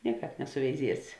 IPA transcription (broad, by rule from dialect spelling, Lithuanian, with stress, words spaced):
ˈnʲiɛˌkɑːp nʲɛsʊʋʲɛɪˈzʲiɛsʲɪ